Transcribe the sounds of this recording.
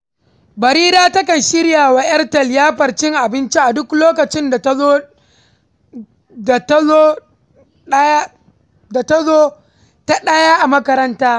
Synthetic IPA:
bɐ˨ɾiː˦ɾaː˦tɐ˦kɐ˨nʃɪ˦ɽjaː˨wa˨ʔɐ˦rtɐ˨ljaː˦ɸɐ˨rt͡ʃɪ˦ŋʔa˨bɪ˦nt͡ʃi˦ʔa˨dʊ˦kloː˦kɐ˨t͡ʃɪ˦nda˨to˦ | da˨ta˦o˦ | ja˦ | da˨ta˦zoː˦ | ta˦ɗɐ˦jaː˦ʔa˨mɐ˦kɐ˦ɾɐ˦ntaː˦

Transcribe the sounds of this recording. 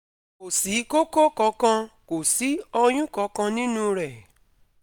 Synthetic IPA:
o˨si˨˦ko˦ko˦kɔ̃˨˦kã˧ko˨si˨˦ɔ˧j̃ũ˦kɔ˨˦kã˧nĩ˦nũ˦ɾɛ˨

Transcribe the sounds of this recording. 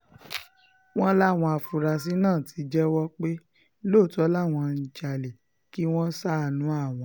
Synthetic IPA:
w̃ɔ̃˦la˦˨w̃ɔ̃˧a˨fu˨ɾa˨s̬i˦nãː˦˨tʰi˨˦d͡ʒɛ˦wɔ˦k͡pe˦ | lo˦˨tɔ˨˦la˦˨w̃ɔ̃˧n̩˨t͡ʃa˨le˨ | ki˦w̃ɔ̃˦sa˦˨nũ˨˦a˦˨w̃ɔ̃˨˦

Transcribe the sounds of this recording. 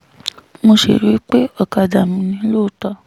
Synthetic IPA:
mo˧ʃḛ˨ɾi˨˦k͡pe˦ɔ˦˨ka˧d͡ʒa˨mĩ˧nĩ˧˦loː˦˨ta˧

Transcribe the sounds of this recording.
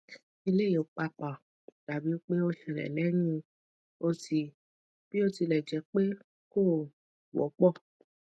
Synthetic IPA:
i˧le˦˨˦i˨o˨k͡pa˧k͡pa˨ | da˨bi˨˦o˦k͡pe˦o˦ʃĩ˧˨ɾɛ̰˨lɛ˨˦nĩ˧ | o˧ti˧ | b̥i˦o˧ti˧lɛ˨d͡ʒɛ˨˦k͡pe˦ | ko˦˨ | wɔ̰˨˦k͡pɔ˦˨

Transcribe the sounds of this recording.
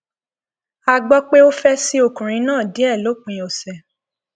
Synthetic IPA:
a˧ɡ͡bɔ˦k͡pe˦o˦fɛ˦si˦o˧˨kũ˨ɾ̃ĩ˨˧˦nãː˦˨di˨˦ɛ˦˨lo˨˦k͡pĩ˨ɔ˨sɛ˨

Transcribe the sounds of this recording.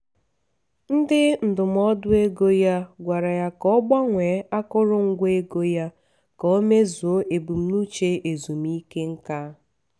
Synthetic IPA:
n̩˦dɪ˦n̩˨dʊ˨m˨˦ɔ˦dʊ˦e˦ɡo˦ja˦ɡʷa˨ɾa˨ja˦kɔ˦ɡ͡ba˦ŋʷe˨˦a˦kʊ˦ɾʊ˦ŋ̩˦ɡʷe˦ɡo˦ja˦ | kɔ˨o˦me˦zu˨o˦ʔe˨bu˨m̩˦nu˦t͡ʃe˦ʔe˨zu˨m̩˨˦i˦ke˦ŋ̩˦ka˦

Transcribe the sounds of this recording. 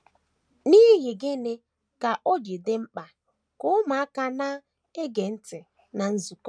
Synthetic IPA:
niː˦ɦɪ˨ɡɪ˦ne˦ | ka˨ʔo˦d͡ʒi˨de˦m̩˦k͡pa˨ | kʊ˦ma˨a˦ka˨na˦ | e˦ɡe˨n̩˦tɪ˨ | na˨n̩˦zu˨kɔ˦

